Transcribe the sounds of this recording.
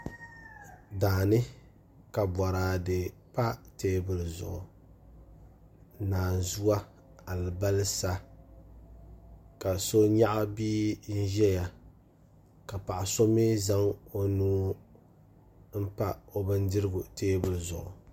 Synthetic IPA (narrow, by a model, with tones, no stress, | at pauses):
daː˨nɨ˦ | ka˨bɔ˨ɾaː˨dɨ˨pa˦teː˦bɨ˦lzʊ̰˨ʔʊ˨ | naː˨zu˦wa˦ | a˨lɨ˨ba˦lɨ˦sa˦ | ka˨so˦ɲa˦ʔa˦biː˦n̩˦ʒɛ˦ja˨ | ka˨pa˨ʔa˨so˦mi˦za˦ŋo˦nuː˦ | m̩˦pa˦o˦bɨ˦ndɨ˦ɾɨ˦ɡʊ˨teː˦bɨ˦lzʊ̰˨ʔʊ̰˨